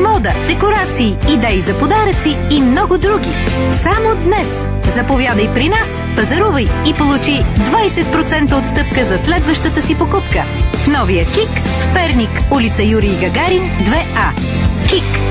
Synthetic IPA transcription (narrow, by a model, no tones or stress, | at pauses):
mɔd̪əd̪ɛkoɾat̪siːd̪ɛizɐpod̪aɾət̪siːmnɔɡʊd̪ɾuɡʲisamod̪nɛs | zɐpovʲjad̪ɐjpɾinas | pɐzɐɾuvɐjːpolˠut͡ʃid̪vajsɛt̪̚pɾot̪sɛnt̪əot̪st̪ɤp̚kəzɐslɛd̪vəʃt̪ət̪əsipokupkəfnɔvijəkikfpɛɾnikulit̪səjuɾiɡɐɡaɾind̪vɛa | kʲik